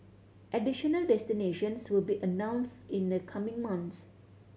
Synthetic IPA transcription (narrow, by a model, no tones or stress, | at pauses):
ʔɛdiʃənəldɛstineʃə̃nswɪlbiʔənãʊ̃nstɪ̃nd̪əkʰamɪ̃ŋmãnts